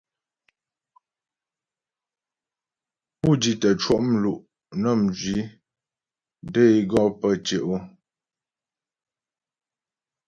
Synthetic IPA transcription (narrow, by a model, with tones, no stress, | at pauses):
pu˦˨d͡ʒi˨tə˨t͡ʃwɔ˦˨ʔm̩˦lu˨ʔ | nə˦˨m̩d͡ʒɥi˨˦ | də˦i˦ɡɔ˦˨pə˦˨t͡ʃe˨ʔo˦